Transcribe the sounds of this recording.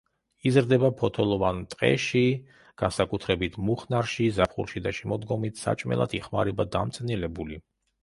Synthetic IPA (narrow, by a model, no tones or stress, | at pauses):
izɾd̪ɛbapʰɔt̪ʰɔlˠɔvant̪ʼqʼɛ̰ʃi | ɡ̥ansakʼut̪ʰɾɛbit̪ʰmuχnaɾʃizapʰχṵɾʃid̪aʃɛmɔd̪ɡɔmit̪ʰsa̰t͡ʃʼmɛ̰lˠa̰t̪ʰiχmaɾɛbad̪amt̪sʼnilɛbuli